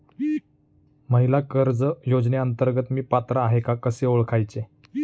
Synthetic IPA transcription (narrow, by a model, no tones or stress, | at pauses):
məɦilakəɾd͡zəjod͡zneənt̪əɾɡət̪miːpat̪ɾaːɦekakəseoɭkʰajt͡se